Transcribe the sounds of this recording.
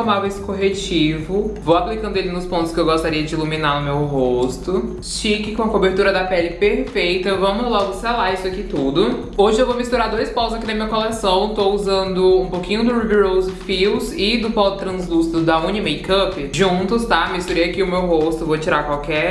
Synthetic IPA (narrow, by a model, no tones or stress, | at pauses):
omavesɪ̥koɦet͡ʃivʊvowaplikɐ̃nd̪ʊelɪnʊspõt̪ʊskɪewɡost̪aɾiɐd͡ʒɪilumĩnanʊmewɦost̪ʊ | ʃikɪkõɐkobeɾt̪uɾɐd̪ɐpɛlɪpeɾfejt̪ɐvɐ̃mʊlavoselaisʊakit̪ud̪ʊ | oʒɪewvomist̪uɾaɾd̪ojspɔʊzakinɐmĩɲɐkolesɐ̃w̃t̪ouzɐ̃nd̪ʊũpowkĩɲʊd̪ʊɾubiɾowzɪfiwzɪd̪ʊpɔd̪ʊt̪ɾɐ̃zlust̪ʊd̪ɐũnimejkɐpɪʒũt̪ʊst̪amist̪uɾeakiʊmewɦost̪ʊvot͡ʃiɾaɾkwawkɛ